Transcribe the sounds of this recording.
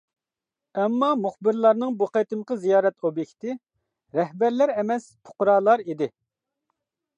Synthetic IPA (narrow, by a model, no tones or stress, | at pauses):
ɛmːɑmuχbɪɾlˠɑɾnɨŋbuqet̪ɨmqʰəzijɑːɾɛt̪objɛkʲt̪ɪ | ɾɛhbæɾlæɾɛmɛspʰʊ̥qɾɑːlˠɑɾid̪ɪ